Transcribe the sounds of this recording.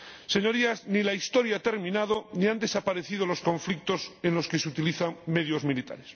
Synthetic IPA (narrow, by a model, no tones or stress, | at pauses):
se̞ɲo̞ɾiaznilaist̪o̞ɾjat̪e̞ɾmĩnað̞o̞niand̪e̞sapaɾe̞θið̞o̞lo̞sko̞ɱflik̚t̪o̞senlo̞ske̞seut̪iliθaŋme̞ðjo̞zmilit̪a̰ɾes